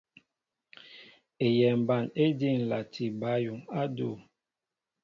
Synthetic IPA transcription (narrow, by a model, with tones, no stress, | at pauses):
e˨jɛ˨m˨ba˨ne˦di˦˨n˨la˨tʰi˨ba˨˦ju˨ŋa˦du˦˨